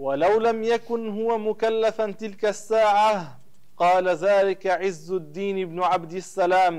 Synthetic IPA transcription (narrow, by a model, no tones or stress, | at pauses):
walawlamjakʊnɦʊwamʊkalːafat̪ɪlkasːaːʕa | qɑːlaðaːlɪkaʕɪzːʊd̪ːiːnɪbnʊʕab̚d̪ɪsːalaːm